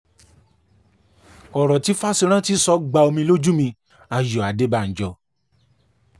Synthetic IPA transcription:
ɔ˨ɾɔ̃˨ti˨˦fa˦si˧ɾ̃ã˦ti˦sɔ˦ɡ͡ba˧o˧mĩ˧lo˦d͡ʒu˦mĩ˧ | a˧jɔ˨a˨de˨˦ba˨n̩˨d͡ʒɔ˨

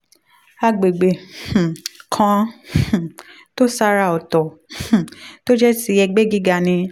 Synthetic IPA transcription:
a˧˨ɡ͡be˨ɡ͡bẽ˨kʰã˧˨ | to˦sa˧˦ɾa˧˨ɔ˨tɔ̃˨ | to˦d͡ʒɛ˦ti˦ɛ˧ɡ͡be˦ɡi˦ɡa˨nĩ˧

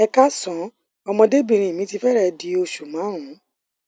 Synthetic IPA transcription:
ɛ˧ka˦sɔ̃˨˦ | ɔ˧mɔ̃˧de˦bĩ˨ɾ̃ĩ˨mĩ˨˦ti˧fɛ˦ɾɛ˧di˨˧˦o˧ʃu˨mã˨˦ɾ̃ũ˨˦

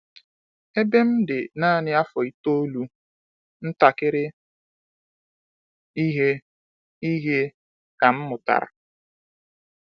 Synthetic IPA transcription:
e˦be˦m̩˦dɪ˨naː˦˨nɪ˦a˦fɔ˨i˦to˦o˦lu˦ | n̩˦ta˨kɪ˦ɾɪ˦ | i˦ɦe˦ | i˦ɦe˦ | ka˨m̩˦mʊ˨ta̰˨ɾa̰˨

